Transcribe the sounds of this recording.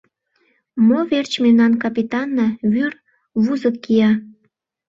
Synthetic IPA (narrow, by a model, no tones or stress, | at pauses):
moβert͡ɕmemnɑnkɑpit̪ɑnːɑβyr | βuzəkːijɑ